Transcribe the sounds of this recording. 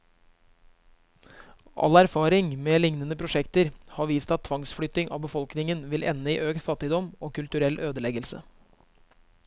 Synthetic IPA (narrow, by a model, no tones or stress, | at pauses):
ʔɑ̰læɾfɑːɾɪŋmeːlɪŋnənəpʰɾʊʂɛkt̪əɾhɑːʋiːst̪ɑt̪ʰːʋɑŋsfɽʏt̪ːɪŋʔɑ̰ːʋbəfɔlknɪŋənʋɪlʔɛ̰nːəḭːʔøːkt̪fɑt̪ːɪd̪ɔmoːkʉlt̪ʉɾɛlʔøːd̪əlɛɡəlsə̰